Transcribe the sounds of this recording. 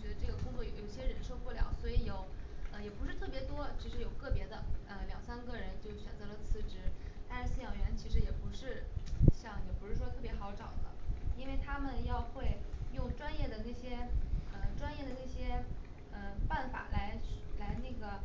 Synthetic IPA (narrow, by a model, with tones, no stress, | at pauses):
ɔ˧˩t͡ɕɥɛ˧˥d̪ə˧ʈ͡ʂɤ˥˩ɡə˩kʊ˥ŋt͡swɔ˥˩jo˧˥jo˨˩ɕjɛ˥ɻə˧˥nʂo˥˧ʊpu˥˩ljɑ̰˨˥ʊswɔ˧˥i˧˥jo˨˩ʊə˧jɛ˨˩pu˧˥ʂɻ̩˥˧t̪ʰɤ˥˩pjɛ˧˥t̪wɔ˥t͡ɕʰi˧˥ʂɻ̩˧˥jo˨˩ʊkɤ˥˩pjɛ˧˥d̪ə˧ə˧ljɑ̰˨˩ŋsa˥nkə˥˩ɻə˧˥nt͡ɕjo˥˩ʊɕɥɛ̰˨˩nt͡sɤ˧˥lə˧t͡sʰɹ̩˧˥ʈ͡ʂɻ̩˧˥t̪a˥˧nʂ̩˥sɹ̩˥˩jɑ˨˩ŋɥɛ˧˥nt͡ɕʰi˧˥ʂɻ̩˧˥jɛ˨˩pu˧˥ʂɻ̩˥˧ɕjɑ˥˩ŋjɛ˨˩pu˧˥ʂɻ̩˥˩ʂwɔ˥t̪ʰɤ˥˩p̬jɛ˧˥xɑ˧˥ʊʈ͡ʂɑ̰˨˩ʊd̪ə̰˦i˥nwe˥˩ɪt̪ʰa˥mə˨njɑ˥˧ʊxwe˥˧ɪjʊ˥˩ŋʈ͡ʂwa˥njɛ˥˩d̪ə˩na˥˩ɕjɛ˥ə˧˩ʈ͡ʂwa˥njɛ˥˩d̪ə˩na˥˩ɕjɛ˥ | ə˧pa˥˩nfa̰˨˩la˧˥ɪ˨˩la˧˥ɪna˥˩ɡə˩